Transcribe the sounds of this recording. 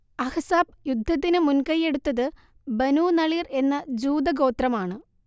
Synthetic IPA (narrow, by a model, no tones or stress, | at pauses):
ɐhɐsaːb̚jud̪ʱːɐt̪̬ːinɨmunkɐje̞ɽut̪ːɐðɨ | bɐnuːnɐɭiːre̞nːɐd͡ʑuːd̪ɐɡo̞ːt̪rɐmaːɳɨ